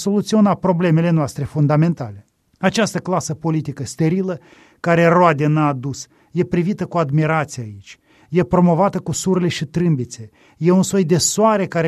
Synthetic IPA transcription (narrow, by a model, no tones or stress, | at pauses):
so̞lut̪sio̞napɾo̞ble̞me̞le̞noast̪ɾe̞fund̪ame̞nt̪ale̞ | at͡ʃast̪əklasəpo̞lit̪ikəst̪e̞ɾilə | kaɾe̞road̪enaːd̪us | je̞pɾivit̪əkuad̪miɾat̪sijait͡ʃʲ | je̞pɾo̞mo̞vat̪əkusuɾele̞ʃit̪ɾɨmbit̪se̞ | je̞unsojd̪e̞soaɾe̞kaɾe